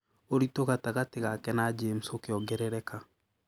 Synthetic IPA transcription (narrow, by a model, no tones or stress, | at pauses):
oɾitoɣataɣateɣakɛnad͡ʒemusokeɔɡɛɾɛɾɛka